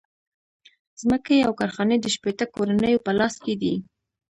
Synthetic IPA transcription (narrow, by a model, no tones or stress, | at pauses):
z̥məkeawkɑɾxɑned̪əʃpet̪əkoɾanəjopəlɑsked̪i